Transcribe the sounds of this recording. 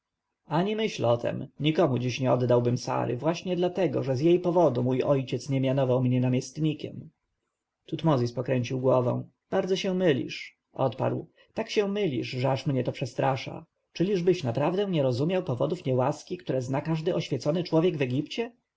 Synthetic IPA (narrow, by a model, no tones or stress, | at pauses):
aɲimɘɕlɔt̪ʰɛ̰mɲikɔmud͡ʑiɕɲɛɔd̪ːawbɘmsa̰ɾɘ̰vwaɕɲɛd̪lat̪ɛɡɔʐɛzjejpɔvɔd̪umujʔɔjt͡ɕɛt̪sɲɛmʲjanɔvawmɲɛnamʲjɛst̪ɲikʲɛm | t̪ut̪mɔzʲispɔkɾɛɲt͡ɕiwɡwɔvɛ̰̃w̃ | b̥aɾd̪zɔɕɛ̃mɘlʲḭʂ | ʔɔ̰t̪pa̰ɾw | t̪akɕɛ̃mɘlʲḭʂʐɛaʂmɲɛt̪ɔpʂɛst̪ɾaʂa̰ | t͡ʂɘlʲiʐbɘɕnapɾavd̪ɛ̃ɲɛɾɔzumʲjawpɔvɔd̪ufɲɛwaskʲikt̪uɾɛznakaʐd̪ɘʔɔɕfʲjɛt̪sɔnɘt͡ʂwɔvʲjɛɡvɛɡʲipt͡ɕɛ